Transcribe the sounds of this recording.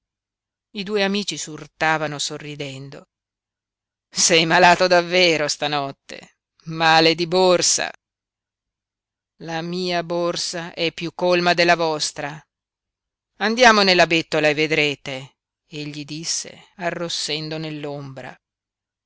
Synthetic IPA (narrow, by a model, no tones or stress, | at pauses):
id̪uːeamiːt͡ʃisurt̪aːvanosorːid̪ɛnd̪o | sɛjmalaːt̪od̪avːeːɾost̪anɔt̪ːḛ | maːled̪iborsa̰ | lamiːaborsaʔɛpːjukːolmad̪elːavɔst̪ɾa | and̪jaːmonelːabet̪ːolaevːed̪ɾeːt̪e | eʎːid̪isːḛarːosːɛnd̪onelːombɾa̰